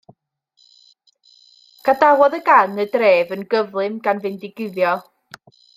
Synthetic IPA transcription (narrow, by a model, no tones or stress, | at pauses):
ɡ̥adawɔðəɡanədreːvənɡəvlˠɨmɡanvɪndɪɡɪðjɔ